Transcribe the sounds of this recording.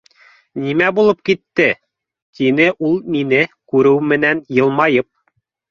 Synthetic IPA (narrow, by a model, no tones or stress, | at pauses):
nimæbulˠɤpkit̪ːɘ | t̪inɘʔulˠminɘkʉɾɘwmɘ̆nænjɤ̆lˠmɑjɤp̚